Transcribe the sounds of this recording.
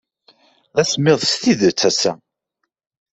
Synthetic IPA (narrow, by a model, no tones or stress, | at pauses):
ðæsmːɪðˤst̪iðət͡sːæsːæ